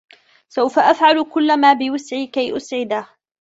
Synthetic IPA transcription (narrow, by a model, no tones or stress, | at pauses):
sawfaʔafʕalkʊlːamaːbɪwasʕiːkajʔʊsʕɪd̪a